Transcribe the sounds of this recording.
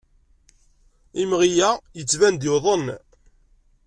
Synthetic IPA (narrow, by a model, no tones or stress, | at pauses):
imʁijæjət͡sːvænd̪ɪwðˤən